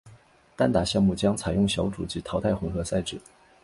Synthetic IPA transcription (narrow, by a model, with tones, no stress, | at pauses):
t̪a˥nt̪a˧˥ɕjɑ˥˧ŋmu˥˩t͡ɕjɑ˥ŋt͡sʰa˨˩ɪjʊ˥˩ŋɕjɑ˧˥ʊʈ͡ʂṵ˨˩t͡ɕi˧˥t̪ʰɑ˧˥ʊt̪ʰa˥˩ɪxʊ˧˥ŋxɤ˧˥sa˥˧ɪʈ͡ʂɻ̩˥˩˦